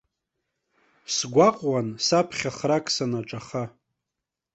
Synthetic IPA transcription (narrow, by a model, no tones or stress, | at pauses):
sɡʷaqʼwansapʰχʲaχrakʼsanaʈ͡ʂʼaχa